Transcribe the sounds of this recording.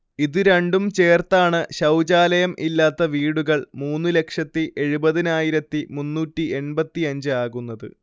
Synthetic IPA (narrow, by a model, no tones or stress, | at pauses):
iðɨɾeɳɖumt͡ɕe̞ːrt̪aːɳɨɕɐwd͡ʑaːlɐjɐmʔilːaːt̪ːɐʋiːɽuɣɐɭmuːnːɨle̞kʂɐt̪ːiʔe̞ɻubɐðinaːjiɾɐt̪ːimunːuːtːie̞nbɐt̪ːiɐɲd͡ʑɨaːɣunːɐðɨ̰